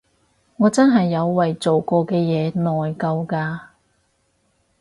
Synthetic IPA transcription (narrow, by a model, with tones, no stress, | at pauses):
ŋɔː˨˧t͡sɐ˥nɦɐ˨jːɐ˨˧wːɐ˨jt͡so˨wkɔː˧kɛː˧jɛː˨˧nɔː˨jkɐ˧wkaː˧